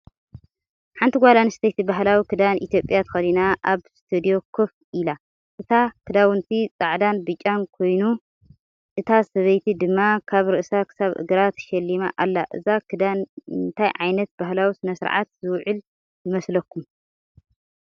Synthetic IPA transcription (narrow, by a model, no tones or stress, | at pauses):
ħant̪ʰiɡʷalanɨst̪ʰɐjt̪ibaɦlawikʰɨd̪anʔḭt̪ʰjo̞pʼjat̪ʰɐ̥xɐlinaʔaβst̪ʰɨd̪io̞kʰɨf | ʔɨla | ʔɨt̪ʰakʰɨd̪awɨnt̪ʰit͡sʼaʕd̪anbɨt͡ʃʼːankʰo̞jnu | ʔɨt̪ʰasɐβɐjt̪ʰid̪ɨmːakʰaβɾɨʔsakʰɨ̥saβɨ̰ɡɨɾat̪ʃɐlːima̰ʔa̰lːaʔɨzakʰɨd̪anɨnt̪ʰajʕajnɐt̪̚baɦlawisɨnɐsɨɾʕa̰t̪zɨwʕɨl | jɨmɐslɐkʰːum